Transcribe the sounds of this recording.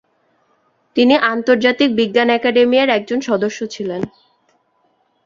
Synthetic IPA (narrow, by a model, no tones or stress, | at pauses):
t̪iniʔant̪oɾd͡ʑat̪ik̚biɡːanɛkaɖemijaɾɛk̚d͡ʑonʃɔd̪oʃːot͡ɕʰilen